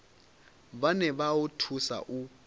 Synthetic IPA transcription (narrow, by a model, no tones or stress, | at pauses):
banɛβautʰusa̰ʔu